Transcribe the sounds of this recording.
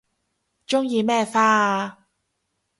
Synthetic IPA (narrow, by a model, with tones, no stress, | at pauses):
t͡ʃʊ˥ŋjiː˨˧mɛː˥˩faː˥